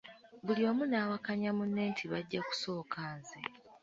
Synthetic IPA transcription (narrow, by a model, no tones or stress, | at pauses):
βuljo̞ːmunaːwakaɲamunːeːntʰiβaɟːaku̥so̞ːkʰaːnze